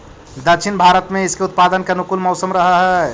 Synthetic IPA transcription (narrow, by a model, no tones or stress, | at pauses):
d̪ət͡ʃʰɪnbʱaːɾət̪mẽɪskeʊt̪̚paːd̪ənkenukulmɔʊsəmɾɐɦaɦɛɛ